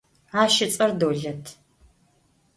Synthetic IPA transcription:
aːʃɪt͡sʼɐrdoːɮɐtʰ

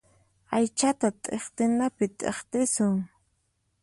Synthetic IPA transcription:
ajt͡ʃat̪at̪ʼeχt̪ɪnapɪt̪ʼḛχt̪ɪsʊŋ

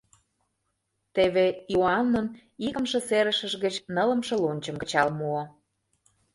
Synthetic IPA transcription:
t̪eβeioɑnːon | iɣəmʃĕseɾə̆ʃə̆ʃɣət͡ɕnələ̆mʃɤ̆lonʲt͡ɕə̆mkə̥̆t͡ɕɑlmuo

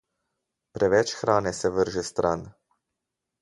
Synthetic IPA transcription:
pɾʔɛʋɛt͡ʃxɾaːnɛsɛʋəɾʒɛst̪ɾʔan

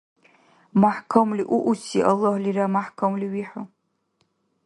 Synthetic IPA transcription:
maħkʰamliʔuʔusiʔalːahliɾamaħkʰamliɥiħa

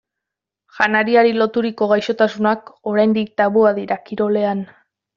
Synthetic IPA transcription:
ʝanaɾiaɾilo̞t̪uɾiko̞ɣ̞ajʃo̞t̪asunako̞ɾajnd̪ik̚t̪aβuaðiɾakiɾo̞le̞an

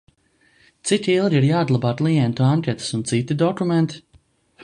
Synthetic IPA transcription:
t̪sit̪ʲilˠɡʲiɾjaːd̪lˠabaːt̪lˠijɛnt̪uaŋʲkʲɛt̪u̥sunt̪sit̪id̪ɔkumɛnt̪i̥

